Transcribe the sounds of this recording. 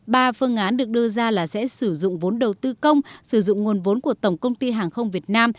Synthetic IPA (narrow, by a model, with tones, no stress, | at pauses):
ɓaː˧˩fɨ˧əŋʔaː˨˦nɗɨ˨˩ək̚ɗɨ˧zaː˧laː˨˩sɛ̰˧˥sɨ˧˩zʊ̰˧˨ŋ͡mvo˨˦nɗə˨˩wt̪ɨ˧kə˧wŋ͡msɨ˧˩zʊ̰˧˨ŋ͡mŋu˨˩ənvo˨˦nku˧˩ət̪ə˧˩wŋ͡mkə˧wŋ͡mt̪i˧ɦaː˨˩ŋxə˧wŋ͡mvi˨˩ət̚naː˧m